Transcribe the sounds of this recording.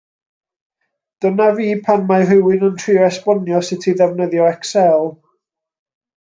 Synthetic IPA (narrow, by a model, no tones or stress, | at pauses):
d̥ənaviːpʰanmaɦɪwɪnəntʰriɔɛspɔnjɔsɪtʰiðɛvnəðjɔɛksɛlˠ